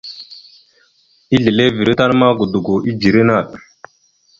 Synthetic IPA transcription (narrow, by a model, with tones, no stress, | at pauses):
i˦ɮe˨le˦vi˨ɾi˦ta˦ɾma˦ɡu˨du˨ɡu˨ʔi˦d͡ʒi˨ɾe˦na˦˨ɗ